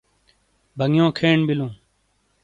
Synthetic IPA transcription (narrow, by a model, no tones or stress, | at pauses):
bʱəŋjõːkʰeːɳbɪlũː